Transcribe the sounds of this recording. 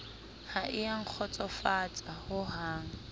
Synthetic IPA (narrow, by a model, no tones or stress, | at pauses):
haʔɪaŋ̩k͡xʰɔt͡sʼɔfat͡sʼahʊɦaːŋ̩